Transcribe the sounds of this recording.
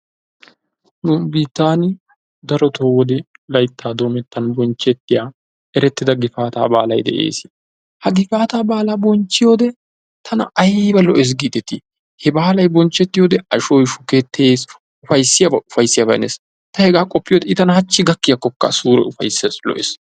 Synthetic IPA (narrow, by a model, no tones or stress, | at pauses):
nubiːt̪ːaːn | d̪ɐɾɔt̪ʰoːwɔd̪ɛlɐjt̪ːaːd̪o̞ːmɛt̪ːɐnbɔnt͡ʃːɛt̪ːɪjaː | ɛɾɛt̪ːɪd̪ɐɡɪfaːt̪a̰ːba̰ːlɐjd̪ɛ̰ʔḛːsɪ̥ | hɐɡɪfaːt̪aːbaːlaːbɔnt͡ʃːɪjoːd̪ɛ | t̪ʰɐnɐ̰ʔɐjbɐlɔʔes̬ɡiːd̪ɛt̪ːi | hɛbaːlɐjbɔnt͡ʃːɛt̪ːɪjoːd̪ɛɐʃɔjʃʊket̪ʰːeːs | ʊfɐjsːɪjabɐʊfɐjsːɪjabɐɛ̰nes | t̪ɐhɛɡaːkʼɔpːɪjoːd̪ɛɪt̪ɐnɐhɐt͡ʃːɪɡɐkːɪjɐkːɔkːɐ̰suːɾɛ̰ʊfɐ̰jsːeslɔ̰ʔɛ̰s